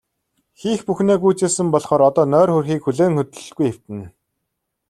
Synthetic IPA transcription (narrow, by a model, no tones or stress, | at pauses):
xiːxpuxneːɡuːt͡seːsɘ̆mpɔɮχɔːɾɔt̪ɔːnœːrxɵrxiːkxɵɮeːŋxɵt̪̆ɮ̆ɮɡujew̥t̪ɘ̆n